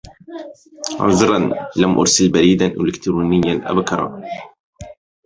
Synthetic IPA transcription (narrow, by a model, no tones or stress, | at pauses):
ʕʊ̰nzˤɨɾˤɑnlamʔʊ̰ɾsɪlbaɾiːd̪anʔɪ̰lɪkt̪ɾuːnɪjːanʔa̰bkɑɾˤɑ̰